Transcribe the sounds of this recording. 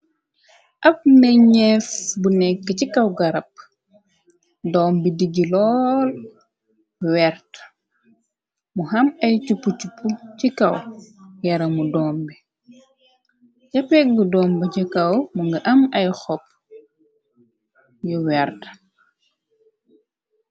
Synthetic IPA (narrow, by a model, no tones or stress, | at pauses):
ʔɐfnɛɲɛfbunɛkːəcikawɡɐɾɐp̚ | dɔːmbidiɟilɔːl | wɛɾt | muɦɐmɐjt͡ʃupːut͡ʃupːucikɐwjɐɾɐmudɔːmbi | ɟɐpɛɡudɔːmbɐɟɐkɐwmuŋɡɐʔɐmɐjxɔp̚ | juwɛɾt